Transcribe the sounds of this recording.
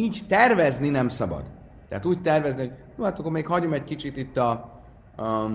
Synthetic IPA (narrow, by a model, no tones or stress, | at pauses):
iːɟt̪ɛrvɛzninɛmsɒbɒ̰d̪ | t̪ːɛ̰at̪uːɟ̚t̪ɛrvɛzniho̞ɟjuːat̪okomeːkhɒɟomɛckit͡ʃit̪it̪ːɒ